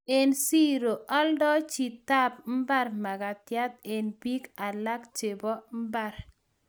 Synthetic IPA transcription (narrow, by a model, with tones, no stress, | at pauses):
e˨nsi˦ɾo˨ʔɔ˦ldɔ˦t͡ʃi˨t̪a˦p̚m̩˦ba˦ɾma˨ɡa˨t̪ja˦t̪̚e˨nbi˦ka˨la˦kt͡ʃe˨bɔ˦m̩˦ba˦˨ɾ